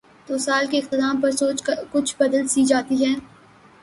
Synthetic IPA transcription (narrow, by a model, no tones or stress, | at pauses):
t̪oːsaːlkeɪq̚t̪ɪd̪aːmpɐɾsoːt͡ʃkʊt͡ʃʰbɐd̪əlsiːd͡ʒaːt̪iɦɛː